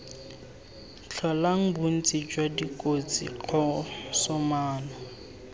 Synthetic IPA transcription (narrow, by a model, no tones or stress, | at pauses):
t͡ɬʰɔlaŋ̩bʊn̩t͡sʼid͡ʒwadikʼot͡sḭq͡χʰɔsɔmaːnɔ